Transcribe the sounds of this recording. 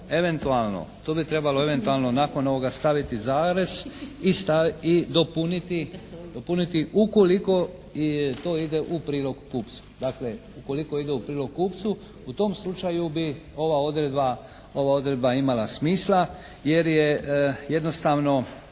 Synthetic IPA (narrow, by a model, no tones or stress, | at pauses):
e̞ʋe̞nt̪ualno̰t̪oːbit̪ɾe̞balo̞e̞ʋe̞nt̪ualˠno̞naːko̞no̞ʋo̞ɡast̪aʋit̪izaːɾe̞zist̪aid̪opunit̪id̪opunit̪iʔuko̞liko̞ | t̪oːid̪e̞ʔupɾiːlo̞ɡkuːp̪su̥d̪aːkle̞uko̞liko̞id̪e̞upɾiːlo̞ɡkuːpt̪su | ut̪o̞mslut͡ʃajubio̞ʋao̞d̪ɾed̪ba | o̞ʋao̞d̪ɾe̞d̪baimalasmiːsla | je̞ɾjeje̞d̪no̞st̪aːʋno̞